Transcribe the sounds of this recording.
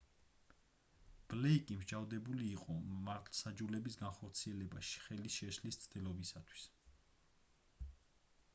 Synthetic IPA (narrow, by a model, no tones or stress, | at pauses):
b̥lɛikʼimd͡ʒavd̪ɛbuliːqʼɔmaɾt̪ʰlˠsad͡ʒulɛbisɡanχɔɾt̪sʰiɛlɛbaʃi̥χɛlisʃɛʃlist̪sʰd̪ɛlˠɔbisat̪ʰwi̥s